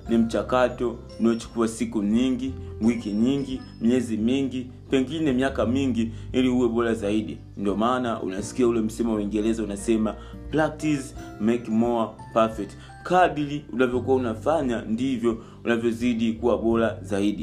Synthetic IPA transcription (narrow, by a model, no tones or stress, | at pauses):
nim̩t͡ʃakatɔ | unaɔt͡ʃu̥kuasikuɲiŋɡiwikiɲiŋɡi | miɛzimiŋɡi | pɛŋɡinɛmiakamiŋɡiiliuwɛɓɔɾazaiɗi | ndɔmanaʔṵnasi̥kiaulɛm̩simawiŋɡɛlɛzaunasɛma | plak̚tizmɛkmɔ | pafɛk̚t | kaɓiliunavjɔkuaunafaɲandivjɔ | unavjɔziɗikuwaɓɔlazaiɗi